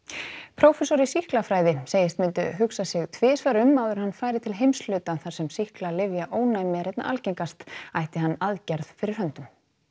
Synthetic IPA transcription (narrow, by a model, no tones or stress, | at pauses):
pʰɾowfɛsɔɾisihklafɾaːjðɪsejɪst̪mʏnt̪ʏ̰ɦʏksasɪɣt̪ʰvɪːsvaɾʏmawðʏɾ̥hanfaːjɾɪt̪ʰɪlɦejmslʏːt̪aθaɾ̥sɛmsihklalɪvjaʔoːwnajmɪɾ̥ɛt̪na̰ʔa̰lcejŋkast̪ajht̪ɪɦanːaðcaɾðfɪɾɪɾ̥hœnt̪ʏm